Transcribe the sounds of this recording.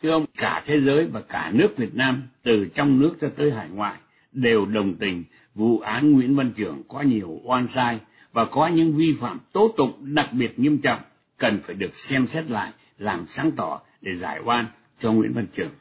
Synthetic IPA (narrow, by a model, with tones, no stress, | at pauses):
t̪ʰɨ˧ʔə˧wŋ͡mkaː˧˩t̪ʰe˨˦zəː˨˦jvaː˨˩kaː˧˩nɨ˦˥ək̚vi˨˩ət̚naː˧mt̪ɨ˨˩t͡ɕɔ˧wŋ͡mnɨ˦˥ək̚t͡ɕɔ˧t̪əː˨˦jɦaː˧˩jŋwa̰ː˧˨j | ɗe˨˩wɗə˨˩wŋ͡mt̪ï˨˩ŋ̟ | vṵ˧˨ʔaː˨˦nŋwḭ˧˥ənvə˧nt͡ɕɨ˧˩əŋkɔ˨˦ɲi˨˩əwʔwaː˧nsaː˧j | vaː˨˩kɔ˨˦ɲɨ̰˧˥ŋvi˧faː˧˩mt̪o˨˦˥t̪ʊ̰˧˨ŋ͡mɗa˨˩k̚ɓi˨˩ət̚ɲi˧əmt͡ɕɔ̰˧˨wŋ͡m | kə˨˩nfaː˧˩jɗɨ˨˩ək̚sɛ˧msɛ˦˥t̚la̰ː˧˨j | laː˨˩msaː˨˦ŋt̪ɔ˧˩ | ɗe˧˩zaː˧˩jʔwaː˧n | t͡ɕɔ˧ŋwḭ˧˥ənvə˧nt͡ɕɨ˧˩əŋ